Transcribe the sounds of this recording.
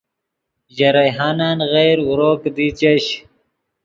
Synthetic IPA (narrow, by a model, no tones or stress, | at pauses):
ʑɐɾajɦaːnaːnɣejɾuɾoːkd̪it͡ɕɐɕ